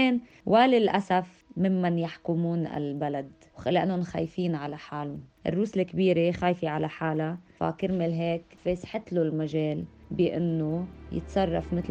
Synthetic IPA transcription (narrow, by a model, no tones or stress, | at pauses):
eːn | wʔalɪlʔasaf | mɪmːanjaħkʊmuːnɪ̰lbalad̪ | wxalːiʔɪnːʊnxa̰ːjfiːnʕalaħaːlʊnʔɪ̰rːuːslɪkːbiːɾexaːjfiʕalaħaːlafa̰kɪɾmɪlɦeːkfeːsħɪt̪lulmaʒeːlbɪʔɪnːojɪ̰t̪sˤɑrˤːɑfmɪt̪l